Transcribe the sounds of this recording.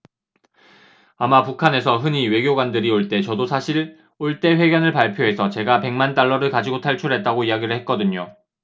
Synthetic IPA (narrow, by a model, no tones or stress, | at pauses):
amapukʰane̞sʰʌɦɯɲiwe̞ɡjoɡwandɯɾioɭt͈e̞t͡ɕʌdosʰaɕʰiɭ | oɭt͈e̞ɸwe̞ɡjʌnɯɭpaɭpʰjoɦe̞sʰʌt͡ɕe̞ɡape̞ŋmant͈aɭːʌɾɯɭkad͡ʑiɡotʰaɭt͡ɕʰuɭɦe̞t̚t͈aɡoiaɡiɾɯɭhet̚k͈ʌdɯɲo